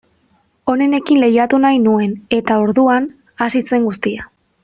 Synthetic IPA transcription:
o̞ne̞ne̞kinle̞jat̪unajnue̞ne̞t̪ao̞ɾðuan | asise̞ŋɡust̪ia

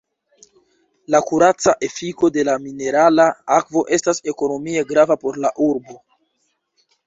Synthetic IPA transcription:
lakuɾat͡saʔe̞fiko̞de̞lamine̞ɾalaakvo̞ʔe̞stase̞ko̞no̞mie̞ɡɾavapo̞ɾlaʔuɾbo

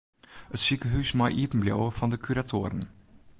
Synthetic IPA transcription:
ətsikəɦysmɔjʔiəpn̩bljo̰wəfɔndəkʰyɾatʰoəɾən̩

